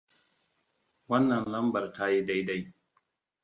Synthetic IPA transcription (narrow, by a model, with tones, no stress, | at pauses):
wɐ˦nːɐ˨nlɐ˦mbɐ˨rta˦ji˦da˦jda˦j